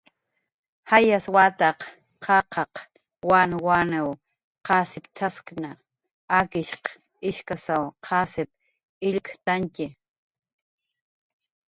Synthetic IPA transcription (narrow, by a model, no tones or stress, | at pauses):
hajaswat̪aq | qʰɑqʰɑq | wanwanew | qasɪpt̪ʰaskna | akɪʃq | ɪʃkasawqʰasɪp̚ | ɪʎkt̪ankɪ